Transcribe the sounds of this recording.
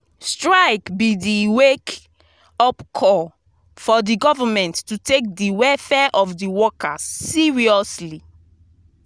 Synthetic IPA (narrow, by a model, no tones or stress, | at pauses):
stɹaɪkbidiwek | ɔpkʰɔ | fɔdiɡɔvamɛ̃ntːutek̚diwɛfɛʔɔfdiwɔkasːiɹiɔsli